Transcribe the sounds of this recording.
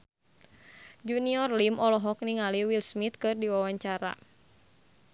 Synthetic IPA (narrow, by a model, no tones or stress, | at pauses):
d͡ʒuniɔrlimʔɔlɔɦɔk̚niŋaliwilsmit̪̚kɨrdiwawaɲt͡ʃaɾa̰